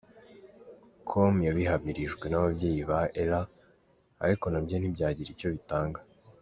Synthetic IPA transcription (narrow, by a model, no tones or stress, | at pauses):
kʰomjaβiɦamiɾiʒɡwe̞naβabɟe̞ːjiβaeɾa̰ː | ɾiko̞nabjenibɟaːɟiɾico̞βitaːŋɡa